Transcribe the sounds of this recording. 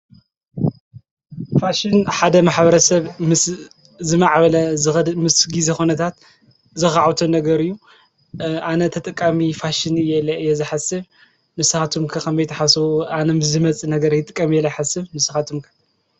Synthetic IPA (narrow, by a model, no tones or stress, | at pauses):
faʃɪnħad̪ɐmaħbɐɾɐsɐβmɨs | zɨmaʕβɐlɐzɨxɐmɨsɡizexunɐt̪ʰat̪ | zɨxaʕwt̪ʰonɐɡɐɾɨjːu | ʔanɐt̪ʰɐt̪ʼɨkʼːamifaʃɪnɨjːɛlːɐɨjːɛzɨħasɨβ | mɨsɨxat̪ʰumkʰɐkʰɐmzɐjt̪ʰɐħasanɐmɨsɨmɐt͡sʼinɐɡɐɾjɪt̪ʼɨkʼːɐmijɛlːɐjħasɨβmɨsɨxat̪ʰumkʰɐ̥